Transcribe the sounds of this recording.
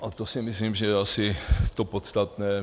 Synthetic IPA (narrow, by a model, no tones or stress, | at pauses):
ʔat̪osɪmɪslimʒɛjɛasɪt̪o̞pot̪st̪at̪nɛː